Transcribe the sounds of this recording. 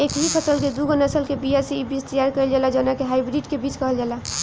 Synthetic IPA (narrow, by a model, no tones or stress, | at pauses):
ekɦipʰəsəlked̪uɡənasəlkebijaseibit͡ʃt̪əjaɾkəɪld͡ʒalad͡ʒənakeɦaibɾiɖkebit͡ʃkəɦəld͡ʒaːla